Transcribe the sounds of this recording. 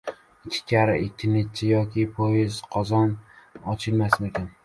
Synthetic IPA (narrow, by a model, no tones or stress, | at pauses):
ɪkʲʰːɪ̥kʲʰaɾaʔɪnt̪ʲʰːɪɾnet̪̚t͡ʃʰɪjɒkʲʰɪpʰoɪzqʰɒzɒnɒt͡ʃʰɪlmasmekʲan